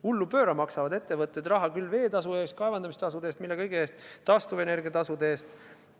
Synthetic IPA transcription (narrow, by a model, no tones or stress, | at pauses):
ulːupø̞ːɾɑmɑksɑvɑd̪e̞t̪ːe̞vɤt̪ːˑe̞d̪rɑɦɑkylːve̞ːt̪ɑsuest̪̚kɑe̞vɑnd̪̥ɑmist̪ɑs̬ud̪eːst̪milːe̞kɤjɡ̥eeːst̪ːɑst̪uve̞ne̞rɡiɑt̪ɑsud̪eeːst̪